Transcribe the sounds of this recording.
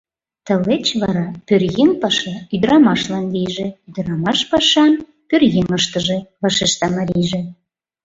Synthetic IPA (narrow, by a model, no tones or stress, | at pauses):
t̪ə̆let͡ɕβɑɾɑpørjeŋpɑʃɑyd̪əɾɑmɑʃlɑnlijʒĕyd̪əɾɑmɑʃpɑʃɑn | pørɣeŋəʃt̪əʒeβɑʃeʃt̪ɑmɑɾʲijʒĕ